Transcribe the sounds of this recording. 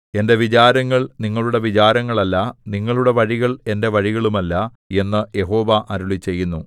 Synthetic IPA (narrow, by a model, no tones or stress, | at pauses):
e̞nde̞ʋit͡ɕaːɾɐŋːɐɭniŋːɐɭuɽe̞ʋit͡ɕaːɾɐŋːɐɭɐlːɐniŋːɐɭuɽe̞ʋɐɻiɣɐɭe̞nde̞ʋɐɻiɣɐɭumɐlːɐ | e̞nːɨje̞ɦo̞ːʋɐʔɐɾuɭit͡ɕe̞jːunːu